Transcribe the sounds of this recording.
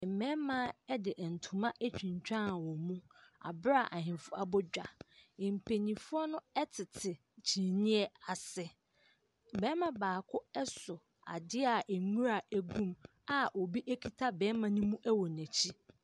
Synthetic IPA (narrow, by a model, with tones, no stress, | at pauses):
mɛ̃˦mã˦ɛ˦dɪ˨ʔɛ˨n̩˨tʰũ˨mã˦ʔæ˦t͡ɕᶣĩ˨ɲ˨t͡ɕᶣã˦˨wɔ˨mũ˦ | a̰˨bɾa˨ʔa˨ɦɪ̃˨fʊ˦a˨bɔ˦d͡ʑᶣa˨ɪ̃˨m̩˨pʰe˨ɲĩ˨fʊ˦ɔ˦nʊ̃˦ɛ˦tʰɪ˨tʰɪ˨ | t͡ɕʰĩ˨nĩ˦ɛ˦a˨sɪ˦ | bɛ˦mã˨baː˨kʰʊ˦ɛ˦sʊ˨ | a̰˨dɪ˦a˨ʔɛ˨ŋu˦ɾa˨æ˨ɡũ˦m | a˨ʔo˨bi˦ʔæ˦kʰi˨tʰa˦bɛ̃˨˦mã˨nũ˦mũ˦ʔæ˦wɔ˨næ̃˨t͡ɕʰi˦